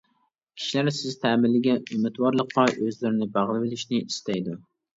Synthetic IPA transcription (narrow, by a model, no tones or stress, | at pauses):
kʲʰi̥ʃilæɾsɪzt̪ʰæmɪlːɪɡʲɛnymɪt̪wɑɾlˠəqːɑʔøzlɪɾɪnɪbæʁlˠɨwɪlɪʃnɪist̪ʰɛjd̪u